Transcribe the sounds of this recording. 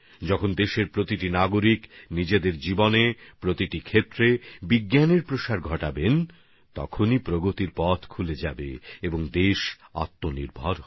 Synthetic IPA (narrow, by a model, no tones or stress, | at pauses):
d͡ʑɔkʰond̪eʃeɾpɾot̪iʈinaɡoɾiknid͡ʑed̪eɾd͡ʑibonepɾot̪iʈikʰet̪ːɾebiɡjaneɾpɾoʃaɾɡʱɔʈaben | t̪ɔ̰kʰonipɾoɡot̪iɾpɔt̪ʰkʰuled͡ʑabḛeboŋd̪eʃa̰t̪ːonḭɾbʱɔɾ